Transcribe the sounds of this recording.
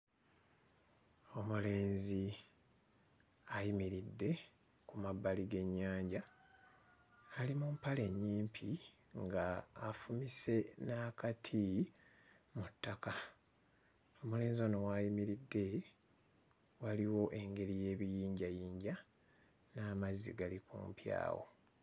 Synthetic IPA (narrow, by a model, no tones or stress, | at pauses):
o̞mule̞ːnzi | ajimiɾidːe̞ | kumabːaliɡe̞ɲːaːɲɟa | limumpale̞ɲːiːmpʰi | ŋɡaːfumise̞nakatʰi | mutːaka | omule̞ːnzono̞wajimiɾidːe̞ | waliwo̞ʔe̞ŋɡe̞ɾije̞ːβijiːɲɟajiːɲɟa | naːmazḭɡalikṵːmpja̰ːwo̞̰